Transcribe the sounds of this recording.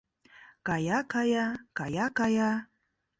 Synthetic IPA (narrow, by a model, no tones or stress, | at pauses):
kajakajakajakaja